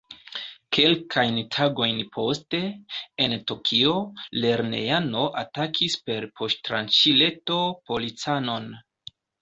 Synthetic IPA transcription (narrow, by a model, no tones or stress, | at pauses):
kʰe̞lkʰajntʰaɡo̞jnpʰo̞ste̞entokʰio̞le̞ɾne̞̰ano̞ʔatakʰispe̞ɾpʰo̞ʃtɾa̰nt͡ʃile̞to̞po̞lit͡sano̞n